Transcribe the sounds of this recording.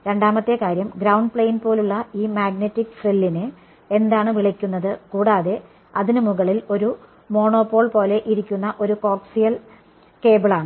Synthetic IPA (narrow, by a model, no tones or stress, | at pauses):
ɾe̞ɳɖaːmɐt̪ːe̞kaːɾjɐmɡɾɐwɳɖpɭejinpo̞ːluɭːɐiːmaːɡnetːikːfrilːinɨ | e̞nd̪aːɳɨʋiɭɐkʲːunːɐðɨkuːɽaːðe̞ | ɐðinɨmuɣɐɭilo̞ɾu | mo̞ːɳo̞ːpːo̞ːɭpo̞ːle̞ʔiɾikʲːunːɐʔo̞ɾuko̞ːksijɐl | ke̞ːbɐɭaːɳɨ